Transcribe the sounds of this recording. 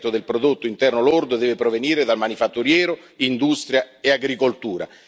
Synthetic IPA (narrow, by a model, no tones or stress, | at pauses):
t̪ːod̪elpɾod̪ot̪ːʊint̪ɛrnolord̪od̪ɛːvɪpɾoveniːɾed̪almanifat̪ːuɾjɛːɾo | ind̪ust̪ɾjaeaɡɾikolt̪uːɾa̰